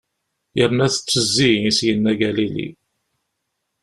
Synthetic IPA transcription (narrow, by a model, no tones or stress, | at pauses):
jəɾnæθə̥t͡sːəzːisjənːæɡælilḭ